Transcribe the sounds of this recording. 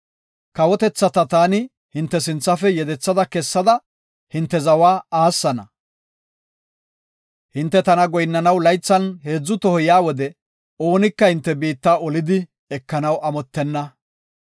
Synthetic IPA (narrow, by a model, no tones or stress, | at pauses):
kɐwɔt̪ɛt͡sːɐt̪ɐt̪aːnɪ | hɪnt̪ːɛs̬ɪnt͡sːɐfɛjɛd̪ɛt͡sːɐd̪ɐkɛsːɐd̪ɐ | hɪnt̪ːɛzɐwaːaːsːɐnɐ | hɪnt̪ːɛt̪ɐnɐɡɔjnːɐnɐwlɐjt͡sːɐnhe̞ːd͡zːʊt̪ɔhɔjaːwɔd̪ɛ | o̞ːnɪkːɐhɪnt̪ːɛbiːt̪ːaːɔlɪd̪ɪ | ɛkːɐnɐwʔɐmɔt̪ːɛnːɐ